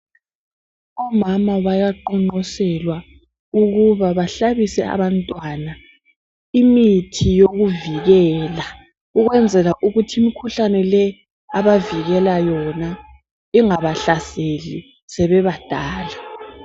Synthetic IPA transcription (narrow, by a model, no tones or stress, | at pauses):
ɔmamaβajaǃɔŋ͡ǃɔsɛlwa | uɣuβaβaɬaβisɛ̰a̰βantʼwana | imitʰijoɣuviɣɛːla | uɣwɛnd͡zʱɛlaʔuɣutʰiːmikʰuɬanɛlɛ | aβaviɣɛlajɔna | iŋaβaɬaseli | sɛβɛβad̥ʱaːla